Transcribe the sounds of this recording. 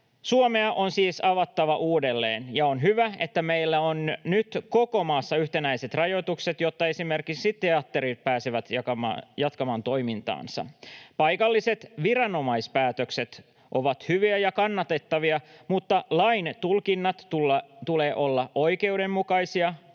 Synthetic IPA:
suome̞ɑʔo̞nsiːsɑʋɑt̪ːɑʋɑʔuːdelːḛːnjɑonɦyʋæe̞t̪ːæmeilːæonnyt̪ko̞ko̞mɑːsːɑyht̪e̞næise̞t̪rɑjo̞t̪ukse̞t̪jo̞t̪ːɑe̞sime̞rkiksit̪e̞ɑt̪ːeɾit̪̚pæːseʋæt̪ɑjɑt̪kɑmɑːnt̪o̞jmint̪ɑ̰ːnsɑ̰pɑjkɑlːise̞t̪ʋiɾɑno̞mɑispæːt̪økse̞t̪ | ʔo̞ʋɑt̪hyʋiæjɑkɑnːɑt̪e̞t̪ːɑʋiɑmut̪ːɑlɑint̪ulkinːɑt̪ːult̪ule̞ːʔo̞lːɑojke̞ude̞mmukɑjsiɑ

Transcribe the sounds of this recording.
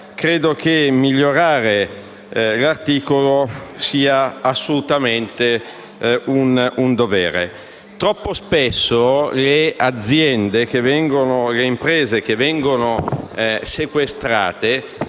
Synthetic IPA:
kɾeːd̪ok̟emiʎːoɾaːɾe | lart̪iːkolosiːaasːolut̪ament̪e | unund̪ovɛːɾḛ | t̪ɾɔpːospesːolead̪zjɛnd̪ek̟evɛŋɡonoleimpɾɛːzek̟evɛŋɡono | sekwest̪ɾa̰ːt̪e

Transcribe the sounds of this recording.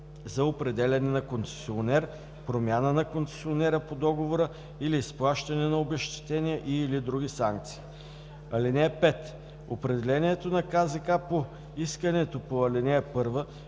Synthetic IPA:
zɐopɾɛd̪ɛlʲɐnɛnɐkont̪sɛ̥sionɛɾ | pɾomʲanənɐkont̪sɛ̥sionɛɾəpod̪ɔɡovoɾə | ilisplˠaʃt̪ɐnɛnɐobɛʃt̪ɛ̥t̪ɛniəʔiːlid̪ɾuɡ̟ʲisaŋk̚t̪si̥ː | ɐlinɛpɛt̪ | opɾɛd̪ɛlɛniɛt̪onɐkazɐkapo | iskənɛt̪opoɐlinɛəpɤɾvə

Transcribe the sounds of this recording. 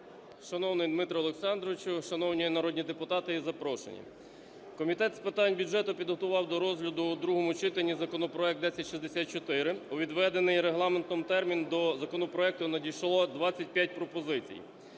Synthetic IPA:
ʃɐnɔwnɪjd̪mɪt̪ɾɔːlˠeksɑnd̪ɾɔɪt͡ʃʊʃɐnɔwnʲinɐɾɔd̪ʲnʲid̪epʊt̪ɑt̪ɪizɐpɾɔʃḛnʲḭ | kɔmʲit̪ɛt̪spɪt̪ɑnʲbʲud͡ʒʒɛt̪ʊpʲid̪ɦɔt̪ʊʋɑwd̪ɔɾɔzɦlʲɐd̪ʊd̪ɾuɦɔmʊt͡ʃɪt̪enʲːizɐkɔnɔpɾɔɛk̚t̪d̪ɛsʲɐtʲʃizd̪esʲat̪̚t͡ʃɔt̪ɪɾɪʊʋʲid̪ʋɛd̪enɪjɾeɦlˠɑment̪ɔmt̪ɛrmʲind̪ɔzɐkɔnɔpɾɔɛk̚t̪ʊnɐdʲijʃlˠɔd̪ʋɑt͡sʲːɐt̚ʲpʲjat̚ʲpɾɔpɔzɪt͡sʲḭj

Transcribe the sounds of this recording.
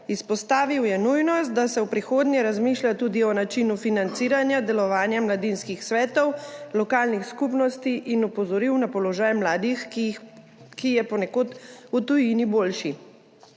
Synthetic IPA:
ispɔst̪aːʋiwjɛnujnɔst̪̚d̪asɛwpɾixoːd̪nʲjɛɾazmiːʃljat̪uːd̪iɔnat͡ʃinufinant̪siːɾanjad̪ɛlɔʋaːnjamlad̪inskixsʋɛːt̪ɔwlɔkaːlnixskupnɔst̪iʔinɔpɔzɔɾiwnapɔlɔʒaːjmlaːd̪ix | kijɛpɔnɛkoːt̪ut̪ujiniboːlʃi

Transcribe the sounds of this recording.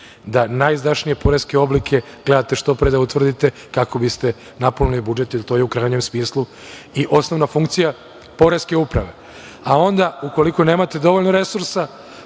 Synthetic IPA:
d̪anajzd̪aʃnije̞po̞ɾe̞ske̞o̞blikʰe̞ | ɡ̥le̞d̪at̪e̞ʃt̪o̞pɾed̪aut̪ʋr̩d̪it̪e̞ | kako̞bist̪e̞ | naponulibud͡ʒe̞t̪ilt̪o̞jeukɾajɲe̞msmiːslˠu | iʔo̞sno̞ʋnafuŋk̚t̪sija | po̞ɾe̞ske̞upɾaʋe̞ | ao̞nd̪auko̞likone̞ːmat̪e̞d̪o̞ʋoʎnoɾe̞suɾsa

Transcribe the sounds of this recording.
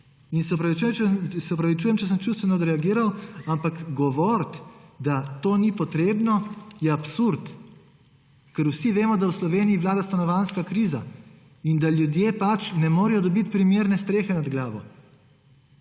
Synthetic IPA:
insɛɔpɾaʋit͡ʃujɛsɛɔpɾaʋit͡ʃuːjɛmt͡ʃɛs̬əmt͡ʃust̪ʋɛnɔːd̪ɾɛaɡiːɾawampakɡɔʋɔɾt̪d̪at̪oːnipɔt̪ɾeːbnɔjɛapsuɾt̪ | kɛɾwsiʋeːmɔd̪awslɔʋeːnijiʋlaːd̪ast̪anɔʋanskakɾiːza | ind̪aljud̪jeːpat͡ʃnɛmoːɾɛjɔd̪ɔbit̪̚pɾimeːɾnɛst̪ɾeːxɛnad̪ɡlaːʋɔ

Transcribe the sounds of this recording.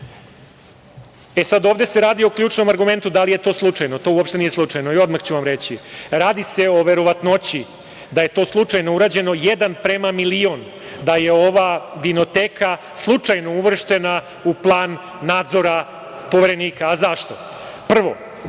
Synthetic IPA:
esad̪o̞ːʋd̪e̞se̞ɾaːd̪io̞klʎuːt͡ʃno̞maɾɡume̞nt̪ud̪alije̞t̪o̞ːslˠut͡ʂajnot̪o̞uopʃt̪e̞niːjeslˠut͡ʂajno̞io̞d̪maxt͡ɕuʋamɾet͡ɕiɾaːd̪ise̞o̞ʋe̞ɾo̞ʋat̪not͡ɕi | d̪aje̞t̪o̞slˠut͡ʂajno̞uɾaːd͡ʑe̞no̞jed̪anpɾemamilio̞n | d̪aje̞o̞ʋaʋino̞t̪eːka | slˠut͡ʂajno̞uʋr̩ʃt̪e̞na | uplˠaːnː | aːd̪zo̞ɾa | po̞ʋeɾe̞niːkaːzaʃt̪o̞ | pr̩ʋo̞̰

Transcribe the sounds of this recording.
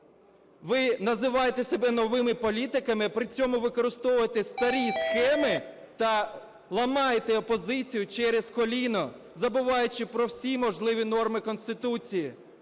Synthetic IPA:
ʋɪnɐzɪʋɑjet̪esʲɔbɛnɔʋɪmɪpɔlʲit̪ɪkɐmɪpɾɪt͡sʲɔmʊʋɪkɔɾɪst̪ɔʋʊjet̪est̪ɐɾʲisxɛmɪ | t̪ɐ | lˠɐmɑjet̪eɔpɔzɪt͡sʲijʊt͡ʃɛɾeskɔlʲinɔ | zɐbʊʋɑjʊt͡ʃɪpɾɔwsʲimɔʒlˠɪʋʲinɔrmɪkɔnsʲt̪ɪt̪ut͡sʲiji

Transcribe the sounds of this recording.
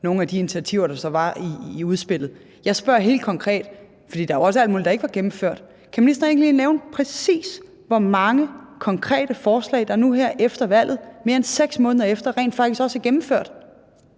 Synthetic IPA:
no̝ːn̩æd̥ienit͡sʰiæt͡sʰiʊ̰ɐɾ̥ɑ̈sɒ̽ʋɑ̈iːuð̞ˠsb̥e̝l̰ð̩ˠ | jɑ̈ɪsb̥ɶɐ̰ɦe̝̰ːld̥̚kʰɒ̽ŋkʰʁɛ̰ːd̥ | fɒd̥ḭːd̥ɑjoɒ̽səæld̥muːlidɑ̈e̥əʋɑ̈ɡ̥emm̩føɐ̰d̥ | kʰæminisd̥ɐe̝̰ŋnliːneʊnpʰʁɛsḭːs | ʋɒmɑ̈ŋəkʰɒ̽ŋkʰʁɛ̰ːd̥əfɒːslɛ̰ɪd̥ɑnuɦæɐ̰ʔefd̥ɐʋæl̰ð̞̩ˠme̝ɐenseɡ̥smɔ̽ːnəðˠɐefd̥ɐʁɛ̰ːnd̥fɑ̈ɡ̥d̥isɡ̥ɒ̽sæɐɡ̥emm̩føɐ̰d̥

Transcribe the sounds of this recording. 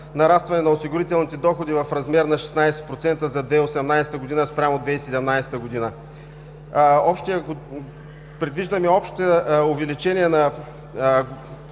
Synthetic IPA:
nɐɾast̪vɐnɛnɐosiɡʊɾit̪ɛlˠnit̪ɛd̪ɔxod̪ivɐfɾɐzmɛɾnɐʃɛ̥snajsɛ̥t̪pɾot̪sɛnt̪əzɐd̪vɛosɛmnajsɛ̥t̪əɡod̪inəspɾʲamod̪vɛsɛd̪ɛmnajsɛ̥t̪əɡod̪inə | ɔpʃt̪iɐko | pɾɛd̪viʒd̪əmɛɔpʃt̪ʊvɛlit͡ʃɛniɛnɐ

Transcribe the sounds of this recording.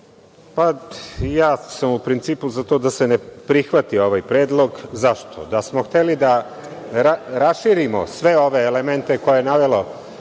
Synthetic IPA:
pajaːsamupɾint̪siːpuzat̪od̪ase̞nepɾixʋat̪io̞ʋajpɾe̞ːd̪lˠo̞ɡzaʃt̪ʰo̰d̪asmoxt̪elid̪a | ɾaɾasʃiɾimo̰sʋe̞o̞ʋe̞ːlement̪e̞ko̞jejenaʋelo

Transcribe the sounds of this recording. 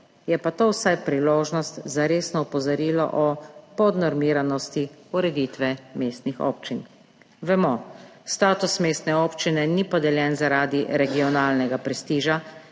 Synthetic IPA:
jɛpat̪oːwsajpɾiloːʒnɔst̪zaɾeːsnɔupɔzɔɾiːlɔ̰ʔɔpɔd̪nɔɾmiːɾanɔst̪iuɾɛd̪iːt̪ʋɛmeːst̪nixo̰ːp̚t͡ʃin | ʋɛmɔst̪aːt̪usmeːst̪nɛoːpt͡ʃinɛnipɔd̪ɛljɛːnzaɾaːd̪iɾɛɡiɔnaːlnɛɡapɾɛst̪iːʒa

